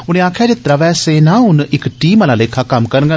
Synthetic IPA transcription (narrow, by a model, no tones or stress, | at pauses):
ʊñẽːaːkʰjaːd͡ʒɪt̪ɾaːʋɛːseːnãːɦʊnɪkʈiːmaːlaːleːkʰːaːkəmkəɾɡə